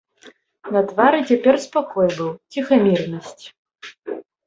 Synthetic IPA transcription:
nɐt̪vaɾɨt͡sʲapʲɛrspakɔjbɨwt͡sʲixamʲirnɐsʲt͡sʲ

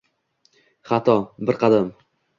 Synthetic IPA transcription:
χat̪ʰɒbɪɾqʰɑd̪am

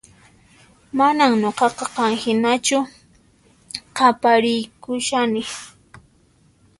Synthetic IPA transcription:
manaŋɲoqɑqɑqɑŋhɪnat͡ʃʊ | qɑpaɾɪjkʊʃanɪ

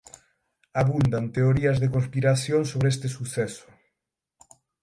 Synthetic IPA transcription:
aβund̪ant̪eoɾiazðekonspiɾaθjoŋsoβɾeest̪esuθɛsʊ̥

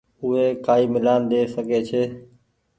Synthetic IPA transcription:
ʊɦeːkaːiːmɪlaːnd̪eːsəɡʱeːt͡ʃʰeː

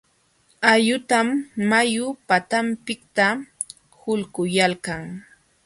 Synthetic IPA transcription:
ajʊt̪amːajʊpat̪ampɪk̚t̪a | hʊlɢʊjalkaŋ

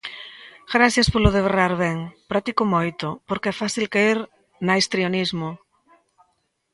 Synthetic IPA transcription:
ɡɾaθjaspolʊðeβeraɾβɛŋpɾat̪ikomojt̪ʊpoɾkeɛfaθilkaiɾ | najst̪ɾionizmo

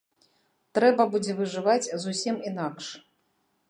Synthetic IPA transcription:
t̪ɾɛbɐbud͡zʲɛvɨʐɨvat͡sʲzusʲiminakʂ

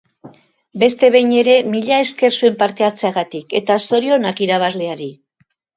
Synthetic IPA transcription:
be̞st̪e̞βe̞jɲe̞ɾe̞miʎae̞ske̞rsue̞mpaɾt̪e̞at͡se̞aɣat̪ike̞t̪aso̞ɾio̞nakiɾaβ̞azle̞aɾi

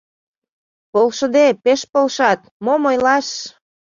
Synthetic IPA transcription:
polʃə̆d̪epeʃpolʃɑt̪̚momojlɑʃ

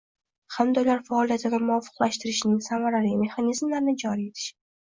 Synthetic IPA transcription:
hamd̪aulaɾfaːlˠijat̪ʰɪd̪amʊɒfɨ̥qlˠaʃt̪ɪɾɪʃɪnɪŋsamaɾaɾime̞χanizmlaɾɪnɪd͡ʒɒɾie̞t̪ʰɪ̥ʃɪ̥

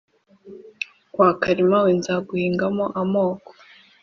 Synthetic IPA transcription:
kwaːkaɾimawenzaɡuhiːŋɡamoʔamo̞ːko̥

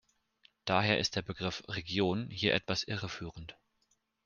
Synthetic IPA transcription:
d̥aːɦeːɐʔɪ̰st̚d̥eːɐbəɡʁɪfʁeɡjoːnhiːɐʔɛ̰tv̥asʔɪʁəfyːʁən̩t

